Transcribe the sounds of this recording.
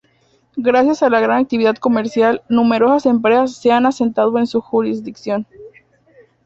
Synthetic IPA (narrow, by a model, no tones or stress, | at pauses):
ɡɾasjasalaɣ̞ɾanak̚t̪iβiðaðko̞me̞ɾsjalnũme̞ɾo̞sase̞mpɾesasːe̞anase̞nt̪aðoe̞nsuxuɾizðiksjo̞n